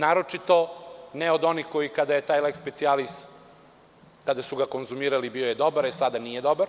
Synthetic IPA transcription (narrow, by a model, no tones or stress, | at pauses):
naːɾot͡ʃit̪o̞neo̞d̪o̞nixko̞jikad̪aje̞t̪aːjlekspet̪sialist̪ | kad̪asuɡako̞nzumiːɾalibio̞je̞d̪obaɾesad̪anijed̪o̞baɾ